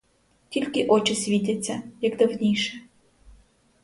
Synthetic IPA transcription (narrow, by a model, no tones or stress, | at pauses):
tʲilʲkʲɪʔɔt͡ʃɪsʲʋʲit̪ʲɐt͡sʲːɐjɐkd̪ɐwnʲijʃɛ